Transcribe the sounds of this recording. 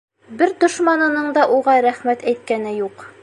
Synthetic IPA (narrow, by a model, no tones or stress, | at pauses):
bɘɾd̪ŏʃmɑnɤ̆nɤɴd̪ɑʔuʁɑɾæχmæt̪æjt̪̚kænɘjuq